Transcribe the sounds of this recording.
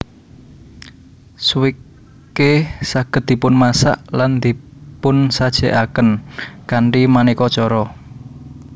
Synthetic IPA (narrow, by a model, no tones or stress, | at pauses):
swikː | esaɡ̥ə̤t̪̚d̥̪i̤pʊnmasa̰ʔland̪ipʊnsad̥ʒ̥ɛʔakənkaɳʈimanikɔt͡ʃɔɾɔ